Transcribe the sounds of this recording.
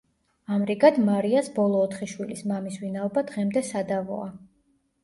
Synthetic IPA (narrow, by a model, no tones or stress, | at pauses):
amɾiɡad̪maɾiasbɔlˠɔːt̪ʰχiʃwilismamisvinaɔbad̪ʁɛmd̪ɛsad̪avɔ̰a